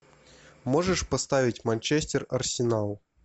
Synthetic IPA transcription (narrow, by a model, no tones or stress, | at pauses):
moʐɛʂpɐst̪avʲitʲmanʲt͡ʃɛsʲtʲɛrɐrsʲɪnalˠ